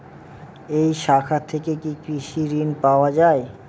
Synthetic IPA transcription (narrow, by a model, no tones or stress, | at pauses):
ejʃakʰat̪ʰːekekikɾiʃiɾinpaoad͡ʑae